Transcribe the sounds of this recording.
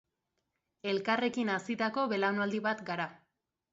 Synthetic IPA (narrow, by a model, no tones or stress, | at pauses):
e̞lkare̞kinasit̪ako̞βe̞lawnald̪iβat̪ɡaɾa